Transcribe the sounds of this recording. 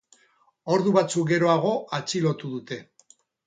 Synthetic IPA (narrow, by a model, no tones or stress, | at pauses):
o̞ɾðuβat͡suk̚ɡe̞ɾo̞aɣ̞o̞at͡ʃilo̞t̪uðut̪e̞